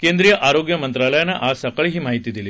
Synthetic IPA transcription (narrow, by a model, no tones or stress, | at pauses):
kend̪ɾijəʔaɾoɡjɐmənt̪ɾaləjaneʔasəkəɭɦiːmaɦit̪iːd̪iliː